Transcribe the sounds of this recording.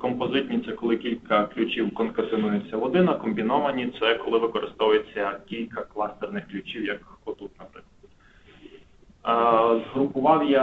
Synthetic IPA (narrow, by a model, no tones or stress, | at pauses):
kɔmpɔzɪt̪ʲnʲit̪sɛkɔlˠɪkʲilʲkɐklʲut͡ʃʲiwkɔnkɐsɪnujet͡sʲːɐʋɔd̪ɪnɐkɔmbʲinɔʋɐnʲit̪sɛkɔlˠɪʋɪkɔɾɪst̪ɔʋʊjet͡sʲːɐkʲilʲkɐklˠɑst̪ɛrnɪxklʲʉt͡ʃiwjɐkkɔt̪ut̪nɐpɾɪklˠdɐd̪ | zɦɾʊpʊʋɑwjɛ